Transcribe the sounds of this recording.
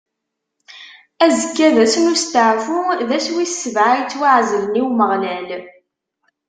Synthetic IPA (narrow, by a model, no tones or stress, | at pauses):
æzəkːæðæsənust̪əʕfuðæswisːəvʕajt͡sːwaʕzəlniwməʁnæl